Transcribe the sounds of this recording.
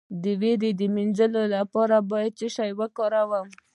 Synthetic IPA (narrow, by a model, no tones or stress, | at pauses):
d̪əweɾed̪əminzəlolapɑɾabɑjad̪̚t͡ʃəʃajwəkɔɾawəm